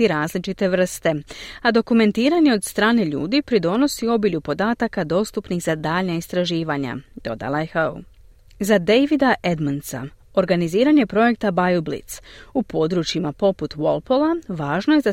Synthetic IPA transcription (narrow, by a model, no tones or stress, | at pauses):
iɾaːzlit͡ʃit̪e̞ʋr̩st̪e̞ad̪o̞kume̞nt̪iːɾaɲe̞o̞d̪st̪ɾaːne̞ʎṵːd̪ipɾid̪o̞no̞sio̞biʎupo̞d̪aːt̪akad̪o̞ːst̪upniɣzad̪aːʎnaist̪ɾaʒiːʋaɲa̰d̪̥o̞̰d̪a̰lˠajexaṵ | zad̪ejʋid̪aʔed̪mansa̰ | o̞ɾɡaniziːɾaɲe̞pɾo̞je̞kt̪abajublḭt̪supo̞d̪ɾut͡ʃimapo̞put̪ʋo̞̰lˠpolˠaʋaːʒno̞jeza